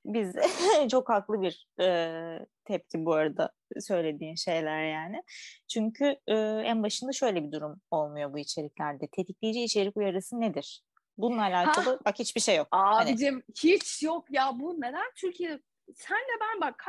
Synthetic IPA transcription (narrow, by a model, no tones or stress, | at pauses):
bizɛt͡ʃʰo̞khaklˠɯbiɾ̥ | ɯːt̪ʰɛp̚cʰibuaɾad̪a̰ | sø̞jlʲe̞d̪iːnʃe̞jlʲæɾjaːnɪt͡ʃʰyɲcʰyɯːænbaʃɯnd̪aʃø̞jlʲe̞bid̪uɾumo̞lˠmujo̞buit͡ʃʰe̞ɾiclʲæɾd̪ɛt̪ʰe̞t̪ʰiclʲijd͡ʒiːt͡ʃʰeɾicujaɾɯsɯnːed̪iɾ̥ | bunlˠaːlʲaːkalˠɯbakhit͡ʃbiʃe̞jːo̞k̚aanid̪imhit͡ʃjokjabuned̪ænt͡ʃʰyɾcʰiɛ | sænd̪ɛbænbakʰːa